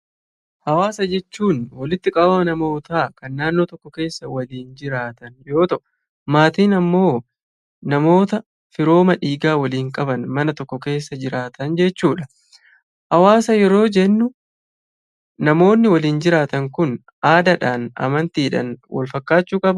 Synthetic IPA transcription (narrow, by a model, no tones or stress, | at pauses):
hɐwaːsɐd͡ʒɛt͡ʃːuːnwɐlɪt̪ːɪkʼɐbɐmɐnɐmo̞ːt̪aːkɐnːaːnːoːt̪ɔkːɔke̞ːsːɐwɐliːnd͡ʒɪɾaːt̪ɐnjo̞ːt̪ɐʔʊ | maːt̪iːnɐmːo̞ː | nɐmo̞ːt̪ɐ | fɪɾo̞ːmɐᶑiːɡaːwɐliːŋkʼɐbɐnmɐnɐt̪ɔkːɔke̞ːsːɐd͡ʒɪɾaːt̪ɐnd͡ʒɛt͡ʃːuːᶑɐ | hɐwaːsɐjɛɾo̞ːd͡ʒɛnːʊ | nɐmo̞ːnːɪwɐliːnd͡ʒɪɾaːt̪ɐŋkʊn | ʔaːd̪ɐᶑaːnɐ̰mɐnt̪iːᶑɐ̰nwɐ̰lfɐkːaːt͡ʃːuːkʼɐbɐ